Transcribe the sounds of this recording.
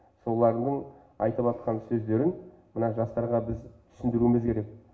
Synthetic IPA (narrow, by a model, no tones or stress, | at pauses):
so̞lˠɑɾəɴd̪əɴ | ɑjt̪əpɑt̪qʰɑnsɵzd̪e̞ɾɪn | mənɑʒɑst̪ɑɾʁɑbɪzt̪ʰʏ̥sɪnd̪ɪɾumɪzkʲʰe̞ɾe̞k̚